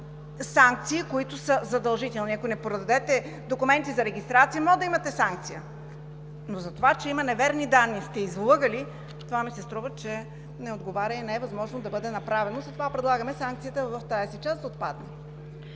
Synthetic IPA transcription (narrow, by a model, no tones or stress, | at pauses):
saŋk̚t̪siːkoit̪ʊsəzɐd̪ɐlˠʒit̪ɛlˠniɐkonɛpɾod̪ɐd̪ɛt̪ɛ | d̪okumɛnt̪izɐɾɛɡʲist̪ɾat̪sijəmɔd̪ɐimɐt̪ɛsaŋk̚t̪sijə | nozɐt̪ovat͡ʃɛimɐnɛvɛɾnid̪anːist̪ɛizlˠɤɡəli | t̪ovamisɛst̪ɾuvət͡ʃɛ | nɛod̪ɡovaɾʲəɛnɛɛvɐzmɔʒnod̪ɐbɤd̪ɛnɐpɾavɛnozɐt̪ovapɾɛd̪lˠaɡəmɛsaŋk̚t̪sijət̪əvɐft̪ajɛsit͡ʃasd̪ɐot̪̚pad̪nɛ